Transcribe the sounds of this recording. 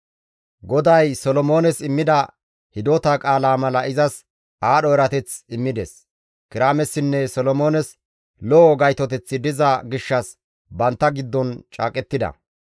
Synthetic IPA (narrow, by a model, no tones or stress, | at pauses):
ɡɔd̪ɐjsɔlɔmo̞ːnɛsɪmːɪd̪ɐ | hɪd̪oːt̪akʼaːlaːmɐlɐʔɪzɐs | aːɗɔɛɾɐt̪ɛt͡sɪmːɪd̪ɛs | kɪɾaːmɛsːɪnːɛsɔlɔmo̞ːnɛs | lɔɡɐjt̪ɔt̪̬ɛt͡sːɪd̪ɪzɐɡɪʃːɐs | bɐnt̪ːɐɡɪd̪ːɔnt͡ʃʼa̰ːkʼɛt̪ːɪd̪ɐ̰